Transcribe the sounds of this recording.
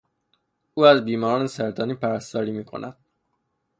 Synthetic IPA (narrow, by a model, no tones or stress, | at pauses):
uːæzbiːmɒːɾɒːnesæɾt̪ʰɒːniːpʰæɾæst̪ɒːɾiːmiːkʰo̞̰næd̪̥